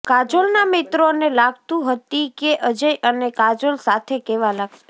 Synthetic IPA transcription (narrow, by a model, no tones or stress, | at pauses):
kad͡ʒolnamɪt̪ɾonelaɡ̚t̪ũɦət̪ikeʔəd͡ʒəjʔənekad͡ʒolsat̪ʰekeʋalaɡ̚t̪